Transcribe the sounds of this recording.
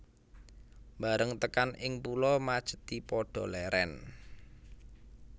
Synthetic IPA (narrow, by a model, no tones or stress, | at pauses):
mbaɾəŋt̪əkanʔɪŋpulɔmad̥ʒ̥ə̤̥t̪ipɔɖ̥ɔ̤lɛɾʔɛn